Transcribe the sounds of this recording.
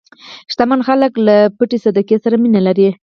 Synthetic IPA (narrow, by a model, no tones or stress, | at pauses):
ʃt̪amanxaləklapəʈesad̪akesaɾaminalaɾi